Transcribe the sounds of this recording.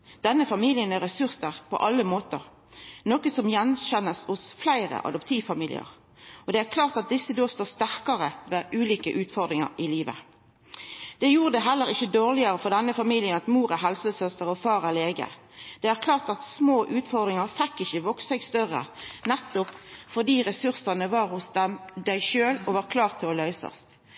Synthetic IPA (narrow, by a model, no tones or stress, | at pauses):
d̪̥ɛnːəfɑmiːlɪənæɾɛsʉʁst̪əʁpʰɔ̰ʔɑlːəmoːt̪əʁ | noːkəsɔmjɛnɕɛnːəsʊsflæɪʁə̰ʔɑ̰d̪ʊpt̪ʰiːʋfɑmiːlɪ̰ə̰ʁ | ɔd̪ɛæːʁkʰlɑːʁt̪ɑt̪̚d̪ɪsːəd̪oːst̪oːst̪æʁkɑʁəʋeːʔʉːliːkəʔʉːt̪fɔʁd̪ʁɪŋɑ̰ʁɪliːʋə̰ | d̪̥ɛjuːʁəd̪ɛɦɛlːəɾɪçːəd̪oːʁlɪɑʁəfɔʁd̪ɛnːəfɑmiːlɪənɑt̪muːɾæɦɛlsəsœst̪əʁɔfɑːʁæʁleːɡə̰ | d̪̥ɛæʁkʰlɑːʁt̪ɑt̪smoːʔʉːt̪fɔʁd̪ʁɪŋɑʁfɛkːɪçəʋɔksɛɡst̪œʁə̰nɛt̪ːɔpfɔʁd̪iːʁɛsʉʁsɑnəʋɑːɾhʊsd̪ɛmd̪æɪʃøːlɔʋɑɾkʰlɑːʁt̪ʰɪlɔlœʏsɑ̰st̪